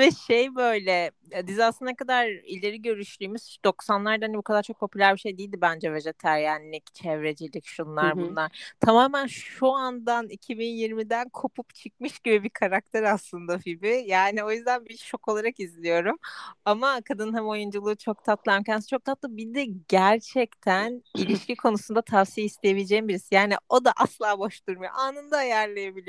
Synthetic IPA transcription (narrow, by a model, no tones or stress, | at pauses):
vɛʃejbø̞jlʲɛ | bizasɯnekad̪aɾilʲeɾiɟø̞ɾyʃlʲyːmyz̥d̪o̞ksanlˠaɾd̪aanibukad̪aɾt͡ʃʰo̞k̚pʰo̞pʰylʲæɾbiʃe̞jd̪ijilʲd̪ibænd͡ʒɛved͡ʒet̪ʰæɾjaːnilʲict͡ʃʰɛvɾed͡ʒilʲicʃunlˠaɾbunlˠaɾ̥t̪ʰamaːmænʃuand̪anicʰibinjiɾmid̪ænkʰo̞pʰupt͡ʃʰɯk̚mɯʃɟibibikʰaɾak̚t̪ʰeɾaslˠɯnd̪afibɪjaːnio̞jyzd̪ænbiʃo̞ko̞lˠaɾakizlʲijo̞ɾumamakʰad̪ɯnhɛmo̞jund͡ʒulˠɯːt͡ʃʰo̞k̚t̪ʰat̪lˠaɾmcʰænsi̥t͡ʃʰo̞k̚t̪ʰat̪lˠɯbid̪ɛɟæɾt͡ʃʰɛct̪ʰænilʲiʃcikʰo̞nusund̪at̪ʰafsijaist̪ʰejebilʲed͡ʒɛimbiɾisijaːnḭo̞d̪aʔaslˠaːboʃt̪uɾmajoʔaːnɯnd̪ajæɾlʲejebilʲi